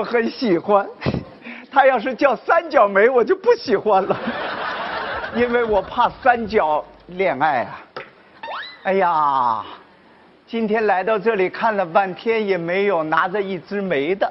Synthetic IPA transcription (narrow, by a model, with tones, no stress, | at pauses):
wɔ˧˥xə˧˥nɕi˨˩xwa˥n | t̪ʰa˥jɑ˥˧ʊʂ̬ɻ̩˥˧t͡ɕjɑ˥˩ʊsa˥nt͡ɕjɑ˨˩ʊme˧˥ɪwɔ˨˩t͡ɕjo˥˧ʊpu˥˩ɕi˨˩xwa˥nlə˨ | i˥nwe˥˩ɪwɔ˨˩pʰa˥˩sa˥nt͡ɕjɑ˨˩˦ʊljɛ˨˩ŋa˥˩ɪɐ̰˩ | a˥˩ɪja˨˩ | t͡ɕi˥nt̪ʰjɛ˥nla˧˥ɪt̪ɑ˥˧ʊʈ͡ʂɤ˥˩li˨˩kʰa˥˩nlə˩pa˥˩nt̪ʰjɛ˥njɛ˨˩me˧˥ɪjo˨˩ʊna˧˥ʈ͡ʂə˧i˥˩ʈ͡ʂɻ̩˥me˧˥ɪd̪ə˧